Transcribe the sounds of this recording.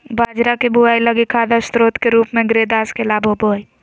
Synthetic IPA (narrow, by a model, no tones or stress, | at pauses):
baːd͡ʒɾakebʊaːiləɡikʰaːd̪ast̪ɾoːt̪keɾuːpmẽɡɾeːd̪aːskelaːbʱoboːi